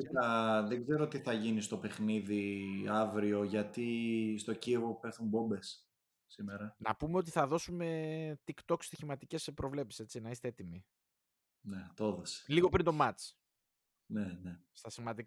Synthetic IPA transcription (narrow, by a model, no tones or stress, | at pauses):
iɐðeɡze̞ɾot̪iθɐʝinist̪o̞pe̞xniðiɐvɾio̞ʝɐt̪ist̪o̞ciɣopeɾθumbo̞mbe̞s | simeɾɐnɐ̰pumeo̞t̪̬iθɐðo̞sume̞t̪ikt̪o̞kst̪içimɐt̪ice̞spɾʔo̞vle̞psise̞t͡sinɐist̪eet̪imi | net̪ooðese̥liɣo̞pɾint̪omɐt͡s | nenest̪ɐsivɐd̪ik